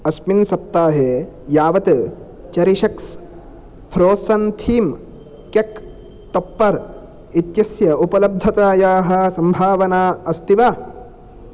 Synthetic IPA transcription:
ɐsminsɐp̚t̪aːɦe | jaːʋɐt̪ɐ | t͡ʃɐɾiʃɐks | fʰɾoːsɐnt̪ʰiːm | kek | t̪ɐpːɐɾ | it̪jɐsjɐupɐlɐb̚d̪ʱɐt̪aːjaːɦɐ̆sɐmbʱaːʋɐnaːɐst̪iʋaː

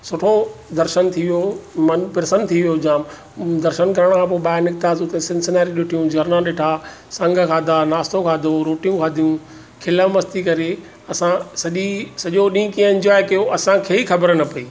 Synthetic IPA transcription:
sʊʈʰod̪ɐɾʃənt̪ʰiʋijomɐnpɪɾɪsənt̪ʰiʋijod͡ʑãːm | d̪ɐɾʃənkɐɾəɽ̃kʰãːp̬oːɓaːɪnɪkt̪aːsut̪ẽsɪ̃nsənaːɾiɗʊʈʰijũd͡ʑɐɾnãɗɪʈʰaː | sɐ̃ŋɡʱkʰaːd̪ʱaːnaːst̪õkʰaːd̪ʱoɾoːʈijũkʰaːd̪ʱijũ | kʰɪləmɐst̪ikɐɾe | ɐsãsɐʄisɐʄoɗĩkiə̃ɪ̃ɲd͡ʑɔːekɐjoʔɐsãkʰeːixɐbəɾnɐpɐiː

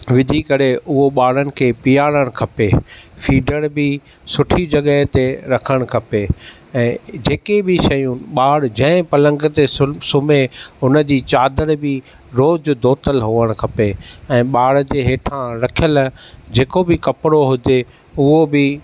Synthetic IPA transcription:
ʋɪd̪ʱikɐɾeʊɦoɓaːɽ̤ənɪ̆kʰeːpijaːɽəɽ̃kʰɐpefiːɖəɽbɪ | sʊʈʰid͡ʑɐɠəɦt̪eɾɐkʰəɽ̃kʰɐpe | ɛ̃ːd͡ʑeːkebɪʃɐjũɓaːɽd͡ʑɐ̃ɦɪ̃pɐlə̃ŋɡt̪essʊmeʊnə̆d͡ʑiːt͡ɕaːd̪əɽbɪ | ɾoːd͡ʑd̪ʱoːt̪əlɦʊːəɽ̃kʰɐpeɛ̃ːɓaːɽd͡ʑeːɦeːʈʰãɾɐkʰijəld͡ʑeːkobɪkɐpɪɽoɦʊd͡ʑe | ʊɦobɪ

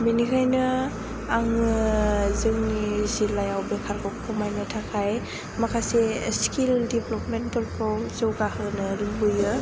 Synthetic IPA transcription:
minikʰajnɯ | aŋɯzɯŋnizilajawbekʰaɾkʰɔkkʰɯmajnɯtʰakʰaj | makʰaseskildiblɔpmenbɔlpʰɔwzɯwɡahɯnɯɾimbɯjɯ

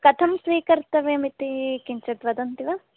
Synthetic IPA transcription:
kɐt̪ʰɐmsʋiːkɐɾt̪ɐʋeɐmit̪ikiɲt͡ʃɐʈʋɐd̪ɐnt̪iʋɐ

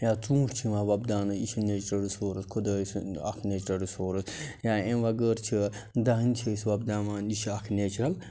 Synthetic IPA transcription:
jaːt͡sũːʈt͡ʃʰiʋãːʋɐbd̪aːnɨiʃineːt͡ʃɾɐɾisoːɾɐskʰud̪ɐːisɐ̰kʰneːt͡ʃɾɐɾisoːɾɐsjaːẽʋɐɡəːɾt͡ʃʰid̪aːɦnt͡ʃʰisʋɐb̚d̪aːmaːniʃɐkʰneːt͡ʃɾɐl

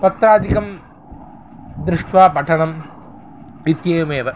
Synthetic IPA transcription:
pɐt̪ɾaːd̪ikɐm | d̪ɾɪʂʈʋaːpɐʈʰɐɳɐm | ʋit̪jɐːjumeːʋɐ

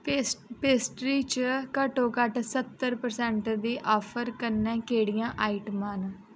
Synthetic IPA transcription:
speːsʈɾiːt͡ʃkəʈõːkəʈsət̪ːəɾpəɾsɛ̃ːɳʈd̪iːʔɔːpʰəɾkənɛ̃ːkeːɽijãːʔaːiʈmãːn

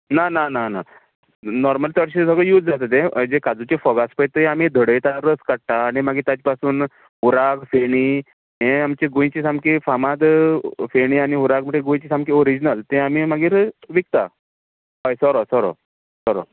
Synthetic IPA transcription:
nananana | nɔɾməlt̪əɽɕesəɡɭəjuːt̪d͡zat̪ət̪ẽd͡ʑekad͡zut͡ɕefɔɡaspəjt̪eam̤id̪ʱəɽəjt̪aɾəskəɽʈaːɽ̃imaɡiːɾt̪at͡ɕipasuːn | ɦuɾakfeɽ̃i | ɦẽamt͡ɕeɡõj̃t͡ɕisamkifamad̪feɽ̃iañiɦuɾak̚məʈːeɡoj̃t͡ɕisãmkioɾid͡ʑnəlt̪ẽam̤iːmaɡiːɾʋik̚t̪a | ɦɔjsɔɾosɔɾo̰ | sɔɾo̰

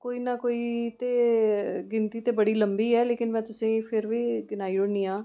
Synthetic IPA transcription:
koːiːnaːkoːiːt̪eːɡɪnt̪iːt̪eːbəɽiːləmbiːɛːleːkɪnmɛ̃ːt̪ʊsẽːpʰɪɾʋiːɡɪnaːiːʊɽnĩːãː

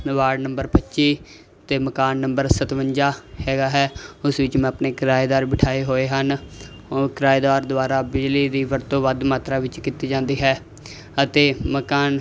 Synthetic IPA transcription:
ʋaːɽnəmbəɾpətːʃiː | t̪eːməkaːnːəmbəɾsət̪ʋəɲd͡ʒaːhɛːɡaːɦɛːʊsʋɪt͡ʃmɛ̃ːpneːkɾaːeːd̪aːɾbɪʈʰaːeːɦoːeːɦən | okɾaːeːd̪aːɾd̪ʊaːɾaːbɪd͡ʒliːd̪iːʋəɾt̪õːʋəd̪maːt̪ɾaːʋɪt͡ʃkiːt̪iːd͡ʒãːnd̪iːɦɛː | ət̪eːməkaːn

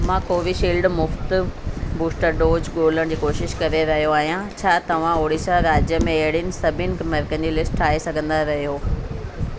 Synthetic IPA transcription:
mãːkoːʋiʃiːlɖmʊft̪buːsʈəɾɖoːd͡ʑɡoːləɽ̃d͡ʑiːkoːʃɪʃkɐɾeɾɐɦijoaːɦjãt͡ɕʰaːt̪ɐʋ̤ãoːɽisaɾaːd͡ʑjəmẽɐɦɪɽijnɪ̆sɐbʱɪnɪ̆kmɐɾkə̃n̆d͡ʑiːlɪsʈʈʰaːesɐɡʱə̃nd̪aɾɐɦijoː

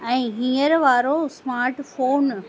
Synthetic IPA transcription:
ɛ̃ːɦĩːəɾʋaːɾosmaːɾʈfoːn

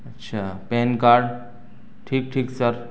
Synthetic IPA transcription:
ətːʃʰaːpenkaɾɖ | ʈʰiːk̚ʈʰiːksəɾ

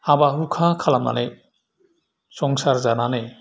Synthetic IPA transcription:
abaɦukʰãkʰalamna̰ne | sɔŋsaɾzanane

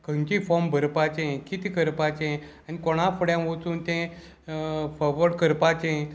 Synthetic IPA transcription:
kə̃nt͡ɕifɔmbʱəɾpat͡ɕẽkit̪ikəɾpat͡ɕẽ | anikɔɽ̃afʰəɽjãʋot͡suːnt̪ẽ | fɔɾʋəɽkəɾpat͡ɕẽ

